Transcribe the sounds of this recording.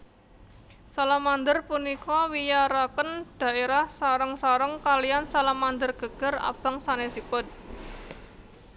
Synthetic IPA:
salamand̪ərpunikɔwijaɾakənɖ̥a̤ʔeɾahsaɾəŋsaɾəŋkalijansalamand̪ərɡ̥ə̤ɡ̥ə̤ra̰b̥a̤ŋsanesipʊt̪̚

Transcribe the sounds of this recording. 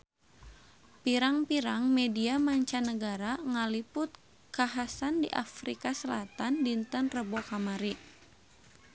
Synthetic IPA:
piɾaŋpiɾaŋmediamaɲt͡ʃanəɡaɾaŋalipʊt̪̚ | kaɦasandḭʔa̰fɾikasəlat̪andint̪ənrəbokamaɾi

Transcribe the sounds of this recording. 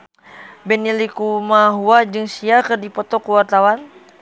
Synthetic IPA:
bɛnilikumaɦuad͡ʒɨŋsiakɨrdipɔt̪ɔkuwart̪awan

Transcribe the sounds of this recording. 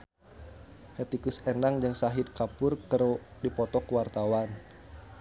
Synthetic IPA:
hɛt̪ikusenaŋd͡ʒɨŋsaɦit̪̚kapʊrkəɾudipɔt̪ɔkuwart̪awan

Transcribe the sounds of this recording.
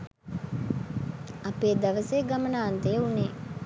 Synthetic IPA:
apeːd̪aʋəsejɡamənaːnt̪ejəuneː

